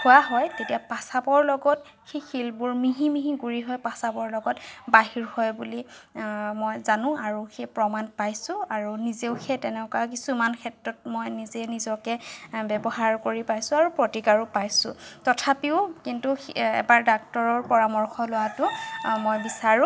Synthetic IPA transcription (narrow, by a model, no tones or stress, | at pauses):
kʊwaɦɔjtetijapasabɔɹlɔɡɔt | xejxilbuɹmiɦimiɦiɡuɹiɦɔjpasabɔɹlɔɡɔtbaɦiɹhɔjbuli | mɔjzanʊ̃aɹuxejpɹɔmanpajsʊaɹunizeʊxetɛnɛkak̬isumankʰɛtɹɔt̚mɔjnizɛnizɔkɛbɛbɔɦaɹkoɹipajsʊ̃aɹupɹotikaɹupajsʊ̰̃tɔtʰapiʊkintuɛ̰baɹdak̚tɔɹɔɹpɔɹamɔɹxʰɔlʊwatʊmojbisaɹʊ̃